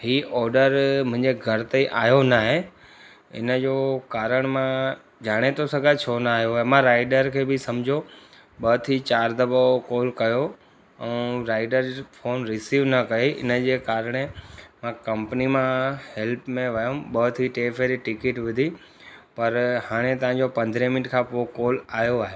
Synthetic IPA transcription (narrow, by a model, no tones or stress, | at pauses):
ɦiːʔɔːɾɖəɾmʊ̃ɦɪ̃ɲd͡ʑeɡʱɐɾt̪eiʔaːjonaːɦe | ɪ̰nəd͡ʑoːkaːɾəɽ̃mã | d͡ʑaːɽ̃et̪ʰosɐɡʱat͡ɕʰoːnaːɦijoɦemãɾaːɪɖəɾkʰeːbɪsɐmd͡ʑʱo | ɓɐt̪ʰit͡ɕaːɾd̪ɐbokoːlkɐjo | ɛ̃ːɾaːɪɖəɾfʰoːnɾɪsiːʋnɐkɐeɪ̰nəd͡ʑeːkaːɾəɽ̃emãkɐ̃mpnimãhɛlpmẽʋɐjõɓɐt̪ʰiʈeːfʰeːɾiʈɪkɪʈʋʊd̪ʱi | pɐɾhaːɽ̃et̪ɐʋ̤ãɲd͡ʑopɐ̃nd̪ʱɾẽmɪnɪʈkʰãpoːkoːlaːɦjoaːɦe